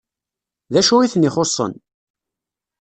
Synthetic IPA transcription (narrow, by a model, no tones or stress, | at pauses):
ðæʃuiθnɪχosˤːə̰n